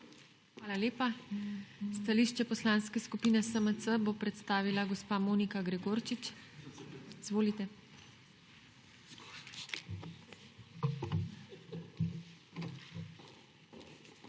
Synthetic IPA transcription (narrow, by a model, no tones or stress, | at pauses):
xʋaːlaleːpa | st̪aliːʃt͡ʃɛpɔslanskɛskupiːnɛsəmət̪səbopɾɛt̪st̪aːʋilaɡɔspaːmoːnikaɡɾɛɡoːɾt͡ʃit͡ʃ | izʋoːlit̪ɛ